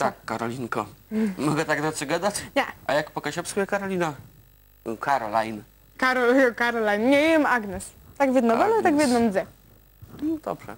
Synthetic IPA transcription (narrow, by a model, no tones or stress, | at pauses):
t̪akːaɾɔlʲiŋkɔmɔɡɛt̪aɡd̪aʂɨɡad̪at͡ɕɲʲɛajakpɔkaɕɛpskujɛkaɾɔlʲina | kʰaɾɔlajn | kaɾɔlajɔkaɾɔlajnɲɛiɛmaɡnɛs | t̪aɡvʲjɛd̪nɔbɛnɛt̪aɡvʲjɛd̪nɔmzʲɛ | nd̪̥ɔ̰bʐɛ̰